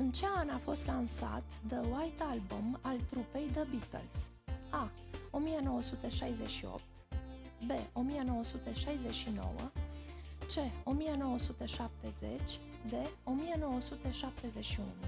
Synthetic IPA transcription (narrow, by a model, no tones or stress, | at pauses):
ɨnt͡ʃe̞anafo̞st̪lansa̰t̪d̪əwajt̪albumalt̪ɾupe̞jd̪əbit̪ə̰ls | ao̞mijeno̞wəsut̪eʃajzeʃio̰p̚t̪be̞ʔo̞mijeno̞wəsut̪eʃajze̞ʃino̞̰wə̰ | t͡ʃe̞o̞mijeno̞wəsut̪eʃap̚t̪e̞ze̞̰t͡ʃʲ | d̪e̞o̞mijeno̞wəsut̪eʃap̚t̪e̞ze̞ʃiṵnu